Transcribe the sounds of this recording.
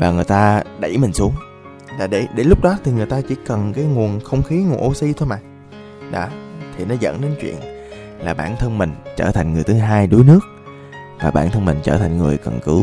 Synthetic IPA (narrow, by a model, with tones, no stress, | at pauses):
vaː˨˩ŋɨ˨˩əjt̪aː˧ɗə˧˩jmï˨˩ŋ̟su˨˦əŋ | laː˨˩ɗe˧˩ɗe˧˩lʊ˦˥k͡p̚ɗɔ˨˦t̪ʰi˨˩ŋɨ˨˩əjt̪aː˧t͡ɕḭ˧˩kə˨˩nkaː˨˦jŋu˨˩ənxə˧wŋ͡mxi˨˦ŋ˨˩ənʔo˧si˧t̪ʰo˧jmaː˨˩ | ɗɔ̰˧˨˦t̪ʰi˨˩nɔ˨˦zə̰ː˧˥nɗe˨˦nt͡ɕwḭ˧˨ən | laː˨˩ɓa̰ː˧˩nt̪ʰə˧nmï˨˩ŋ̟t͡ɕəː˧˩t̪ʰa˨˩jŋ̟ŋɨ˨˩jt̪ʰɦaː˧jɗu˨˦jnɨ˦˥ək̚ | vaː˨˩ɓa̰ː˧˩nt̪ʰə˧nmï˨˩ŋ̟t͡ɕəː˧˩t̪ʰa˨˩jŋ̟ŋɨ˨˩əjkə̰˨˩nkɨ˨˦w